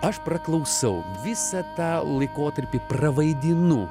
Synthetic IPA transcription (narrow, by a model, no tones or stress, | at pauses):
ɐʃprɐklˠɐʊsɐʊ | ʋʲɪsɐt̪ɑːlˠɐɪkoːt̪ɐɾʲpʲɪprɐʋɐɪd̪ʲɪnuː